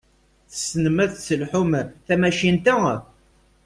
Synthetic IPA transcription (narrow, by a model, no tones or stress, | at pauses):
θəsnəmæðθsəlħʊmθæmæʃint̪æ